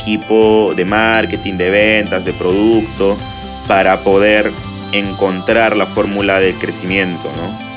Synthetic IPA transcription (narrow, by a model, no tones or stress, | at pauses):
kipo̞ðe̞maɾket̪ind̪e̞β̞ent̪azðe̞pɾo̞ðukt̪o̞ | paɾapo̞ðe̞ɾ | eŋko̞nt̪ɾaɾlafo̞ɾmulaðe̞lkɾesimjẽ̞nt̪o̞̰no